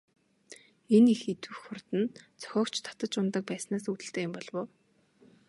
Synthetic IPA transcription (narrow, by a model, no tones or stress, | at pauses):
enixet̪wɘ̆xʊrt̪ɘ̆nt͡sʰœ̥xʲɔːkt͡ɕt̪ʰḁt̪ə̆t͡ɕʊnt̪ə̆k̚pæːsnaːsut̪ɘ̆ɬt̪eːjʊmpɔɮwoː